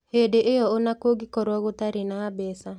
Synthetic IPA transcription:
hedeʔejɔonakoɡikɔɾɔɣotaɾenaːbɛsa

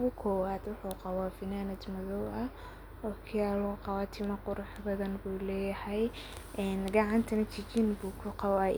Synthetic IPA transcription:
ɣʊkʰɔːwaːd̪wʊħuːqɑwaːfɪnaːnɐd̪mɐðɔwʔɐ | ɔːkʰɪjaːɾʊqɑwaːt̪ʰɪmɐqʊɾʊħbɐðɐnbuːlɛːjɐhɛj | ʔɛːnɡɑʕɑnt̪ʰɐnɐt͡ʃʰɪt͡ʃinbuːkʰʊqɑwaː

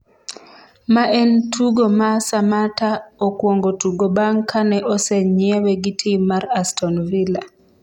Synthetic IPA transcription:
maʔɛntʰuɡomasamataokwɔŋɡotuɡobaŋkʰanɛʔɔsɛɲɛwɛɡitʰimaɾastʰɔnvila

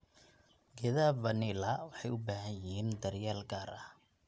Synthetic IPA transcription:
ɡɛðaːvɐnɪlɐwɑħɑjʊbaːɦɐjɪhiːnd̪ɐrjaːlɡaːɾɐh

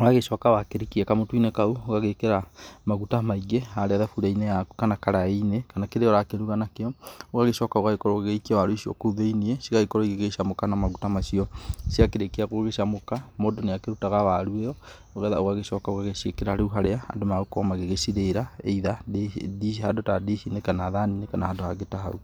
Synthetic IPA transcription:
oɣaɣeʃɔkawakeɾikiɛkamotuinekauoɣaɣekeɾamaɣutamaiɡeaɾeaðafuɾaineakanakaɾainekanakeɾeɔɾakeɾuɣanakeɔoɣaɣeʃɔkaoɣaɣekɔɾɔɣeikiawaɾoiʃiɔ̰kouðeiniesiɣaɣekɔɾɔiɣeɣeʃamokanamaɣutamasiɔsiakeɾekeaɣoɣeʃamokamodoneakeɾutaɣawaɾueɔ | oɣɛðaoɣaɣeʃɔkaoɣaɣeʃiekeɾaɾeuɦaɾeaa̰ndomaɣokɔmaɣeɣesiɾeɾaeiðadihadotadiʃinekanaðaninekanahadohaɣetaɦa̰u

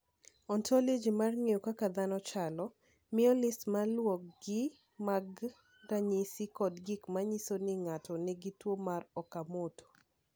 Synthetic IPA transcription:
ɔntʰɔlid͡ʒimarŋejokakad̪anɔt͡ʃalɔ | mɪɔlɪsmalwɔk̚ɡɪ | maɡ | daɲisikɔdɡɪkmaɲisonɪŋatʰɔnɛɡitwomarɔkamoto̥

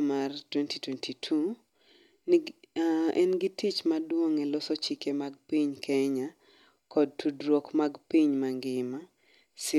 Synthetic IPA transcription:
martwɛntitwɛntʰitʰu | n | ɛnɡitit͡ʃmadwoŋɛlɔsɔt͡ʃikemaɡ̚piɲkʰɛɲa | kɔd̚tudɾwokmaɡpiɲmaŋɡɪma | sɪ

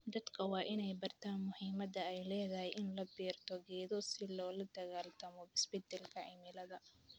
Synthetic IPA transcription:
d̪ɐd̪kʰɐwɑːʔɪnɛjbɐrt̪ʰaːnmʊhiːmɐd̪ɐɛjlɛːðɐhɛjʔɪnlɐbiːrt̪ʰɔɡɛːðɔsɪlɔːlɐd̪ɐɣaːlt̪ʰɐmɔbɪsbɪt̪ʰɛlkʰɐɪmɪlɐðɐ

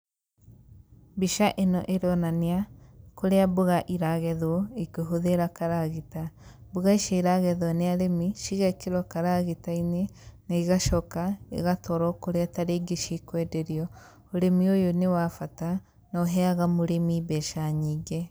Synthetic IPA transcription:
biʃaʔenɔʔeɾɔnaneakoɾeaboɣaʔiɾaɣɛðwɔikoɦoðeɾakaɾaɣita | boɣaiʃaiɾaɣɛðwɔneaɾemiʃiɣɛkeɾɔkaɾaɣitainenaiɣaʃɔkaḛɣatɔɾɔkoɾeataɾeːɡeʃikwɛdeɾiɔ | oɾemiojonewafata | nɔɦɛaɣamoɾemibɛʃaɲiːɡe

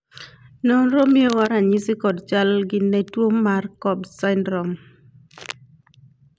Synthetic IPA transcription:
nɔnɾomiewaɾaɲisikɔdt͡ʃalɡɪnːɛtwomːarkɔbsaɪndɾɔm

